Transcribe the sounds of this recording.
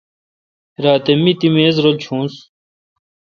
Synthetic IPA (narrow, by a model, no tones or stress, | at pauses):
ɾaːt̪emːit̪imeːzɾolt͡ɕʰũːns